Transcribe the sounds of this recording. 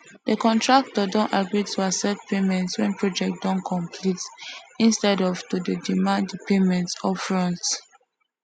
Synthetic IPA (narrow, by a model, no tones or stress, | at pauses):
dəkɔ̃ntɹak̚tɔdɔ̃ntaɡɹitʰuasɛtpʰemɛ̃ntswɛ̃npɹɔd͡ʒɛk̚t̚d̥ɔ̃nkʰɔ̃mpʰlitĩnstɛdɔvtudədimãnddəpemɛ̃ntsɔfɹɔ̃nt